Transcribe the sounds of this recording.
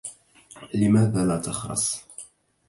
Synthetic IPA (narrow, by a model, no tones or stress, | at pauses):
lɪmæːðalaːt̪ɑxɾɑ̰sˤ